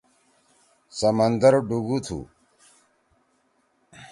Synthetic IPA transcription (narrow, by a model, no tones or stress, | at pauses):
sɐmɐnd̪ɐɾɖuɡut̪ʰṵ